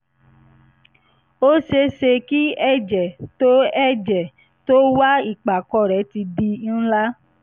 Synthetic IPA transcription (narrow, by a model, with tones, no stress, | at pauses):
o˦ʃe˧ʃe˧ki˦ɛ˦˨d͡ʒɛ˨to˦ɛ˦˨d͡ʒɛ˨ | to˦wa˦i˦˨k͡pa˨kɔ˧˨ɾɛ˨˦ti˧di˧n̩˦la˦